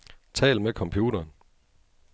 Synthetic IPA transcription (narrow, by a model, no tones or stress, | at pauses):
t͡sʰɛ̰ːlmekʰɒ̽mpʰjuːɾɐːn